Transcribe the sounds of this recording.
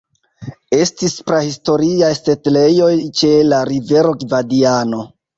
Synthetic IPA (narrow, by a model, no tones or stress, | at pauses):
e̞stispɾahisto̞ɾiajsetle̞jo̞jt͡ʃe̞laɾive̞ɾo̞ɡvadiano̞